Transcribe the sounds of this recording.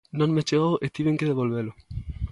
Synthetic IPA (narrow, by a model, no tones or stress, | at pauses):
nõŋmet͡ʃeɣowʔet̪iβẽŋkeðeβolβelʊ